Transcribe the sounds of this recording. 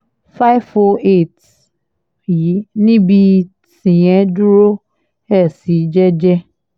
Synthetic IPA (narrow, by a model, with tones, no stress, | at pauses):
fa˦jvfɔ˧e˦˨t | ji˨˦nĩ˦bi˧ | tĩ˨jɛ̃˨˦du˦ɾo˦ | ɛ˦˨si˨˦d͡ʒɛ˦d͡ʒɛ˦